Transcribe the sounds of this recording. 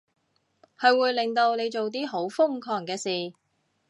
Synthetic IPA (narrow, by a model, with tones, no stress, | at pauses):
hɐ˨˧jwuː˨˧jlɪ˨˩ŋt̪o˧wne˨˧jt͡ʃo˨wt̪̬iː˥ɦo˨˥wfʊ˥ŋkʰɔː˨˩ŋkɛː˧siː˨˩